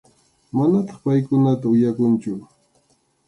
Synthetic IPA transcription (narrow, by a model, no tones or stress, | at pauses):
manat̪ɑ̥χpajkʊnat̪aʊjakʊnt͡ʃʊ